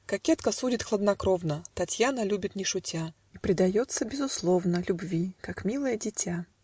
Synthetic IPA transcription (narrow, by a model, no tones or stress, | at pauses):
kɐkʲet̪kəsudʲɪt̪xlˠəd̪nɐkɾovnət̪ɐtʲjanəlʲubʲɪt̪nʲɪʂʊtʲa | ipɾʲɪd̪ɐjot̪səbʲɪzʊslˠovnəlʲʊbvʲikakmʲilˠəjədʲɪtʲa